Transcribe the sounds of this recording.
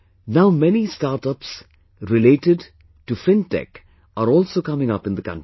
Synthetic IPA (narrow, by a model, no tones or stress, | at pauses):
naʊmɛnisʈaːɾʈʌps | ɾɪleːʈɪɖ | ʈufɪ̃nʈɛ̰k | ʔaɾɔːlsoːkʌmɪ̃ŋʌpɪ̃nd̪əkʌ̰̃nʈi